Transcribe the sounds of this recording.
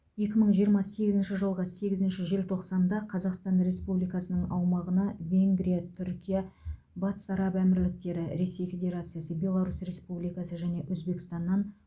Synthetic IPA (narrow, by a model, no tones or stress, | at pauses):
je̞kʲɪməɴʒijəɾmɑse̞ɡʲɪzɪnʃɪʒəlˠʁəse̞ɡʲɪzɪnʃɪʒe̞lt̪ʰo̞qsɑnd̪ɑqʰɑzɑqst̪ɑnɾe̞spublijkɑsənəɴɑwmɑʁənɑvʲe̞ŋɡɾijat̪ʰʏɾkʲija | bɑt̪ə̥sɑɾɑpæmɪɾlɪk̚t̪e̞ɾɪɾe̞se̞jfʲe̞d̪ʲe̞ɾat̪sɨjasəbʲe̞lˠaɾusre̞spublijkɑsəʒæne̞wʔɵzbe̞kɪ̥st̪ɑnːɑn